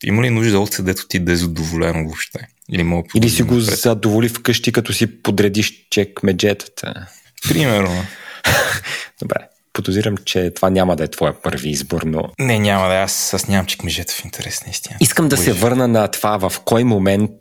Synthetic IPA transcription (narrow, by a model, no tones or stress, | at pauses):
ḭməlinuʒd̪əɔt̪sɛd̪ɛt̪o̥t̪ibɛzɐd̪ovolɛnovopʃt̪ɛ | ilimɔpilisiɡozɐd̪ovolifkɤʃt̪ikɐt̪ɔsipod̪ɾɛd̪iʃt͡ʃɛkmɛd͡ʒɛt̪ə̥t̪ʰə̰ | pɾimɛɾno | d̪̥obɾɛ̰ | pod̪oziɾəmt͡ʃɛt̪ovanʲamɐd̪ɐɛt̪vɔjəpɤɾviizboɾno̰nɛnʲamɐd̪ɛasasnʲamɐmt͡ʃɛ̥kmɛd͡ʒɛt̪ə̥fint̪ʰɛɾɛsnəist̪iniskəmd̪ɐsɛvɤɾnənɐt̪vavɐfkɔjmomɛnt̪̚